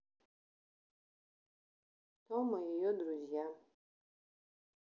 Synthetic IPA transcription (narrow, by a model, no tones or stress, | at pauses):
tɔmajijod̪ɾuzija